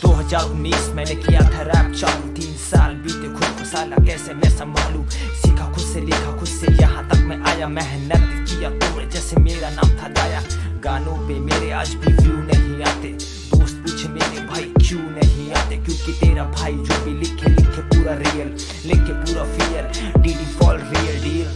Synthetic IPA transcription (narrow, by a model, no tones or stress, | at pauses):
d̪oːɦɐzaːɾʊnːiːsmɛ̃ːnekijat̪ʰaɾɛːb̚t͡ʃaːɾõt̪iːnsaːlbiːt̪ekʰʊʃkʰʊʃaːlakɛːsemɛ̃sɐmbʱa̰ːlũːsɪkʰakʰʊd̪selɪkʰakʰʊd̪sejɐɦãt̪ɐkmẽʔaːjamɛɦnət̪̚kijat̪ʊmẽd͡ʒɛːsemeːɾana̰ːmt̪ʰad̪aːjaɡaːnõpemeːɾea̰ːd͡ʒbʱibjunɐɦĩaːt̪e | d̪oːst̪̚pit͡ʃʰemeːɾebʱaːikjũnɐɦĩaːt̪ekjõːkit̪eːɾabʱaːid͡ʒoːbʱilɪkʰːelɪkʰːepuːɾaɾijəl | lɪkʰːepuːɾafijəl | ɖiːɖifʰɔːlɾiːəlɖiːɾ